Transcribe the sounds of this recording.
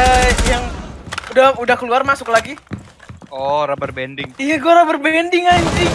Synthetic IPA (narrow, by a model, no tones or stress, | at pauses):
əjaŋudahudahkəluarmasʊklaɡi | ɔɾabərbɛndɪŋijaɡuaɾabərbɛndɪŋaɲsi